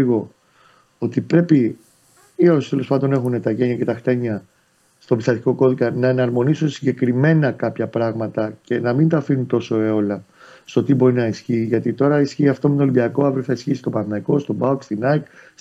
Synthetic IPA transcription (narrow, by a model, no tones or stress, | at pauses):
iɣo̞ | ot̪ipɾe̞pi | iost̪elo̞spɐnd̪o̞ne̞xune̞t̪ɐʝe̞ɲɐce̞t̪ɐxt̪e̞ɲɐ | st̪o̞bist̪ɐt̪i̥ko̞ko̞ðikɐnɐenɐɾmo̞nisunsiɲɟe̞kɾime̞nɐkɐpçɐpɾɐɣmɐt̪ɐce̞nɐmind̪ɐfinunt̪o̞so̞eo̞lɐ | st̪o̞t̪ibo̞ɾinɐisçiːʝɐt̪it̪o̞ɾɐisçiːɐft̪o̞met̪olimbiɐko̞ɐvɾoθɐisçiːst̪o̞pɐnnɐko̞st̪o̞bɐukst̪inɐjk